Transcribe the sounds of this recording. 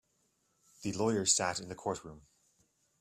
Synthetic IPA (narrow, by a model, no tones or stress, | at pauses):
ðəlɔɪə̥˞sæɾɪ̃nðəkʰɔɹʔɹʉ̃m